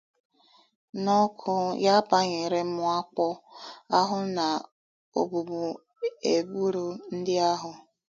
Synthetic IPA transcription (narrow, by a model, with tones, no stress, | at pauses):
nɔ˦kʰʊ˦ja˦pa˦ɲe˨ɾe˦m̩˦mʊ˦a˦k͡pɔ˦a˦ɦʊ˦na˨ | o̰˨bu˨bu˨ | e˨bu˦ɾu˨n̩˦dɪ˦a˦ɦʊ˨